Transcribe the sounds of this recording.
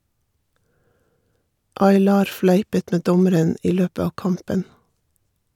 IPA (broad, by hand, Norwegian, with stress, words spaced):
ɑɪˈlɑːɾ ˈflæɪpət ˈmeː ˈdɔməɾən ˈʔiː ˈløːpə ˈɑː ˈkɑmpən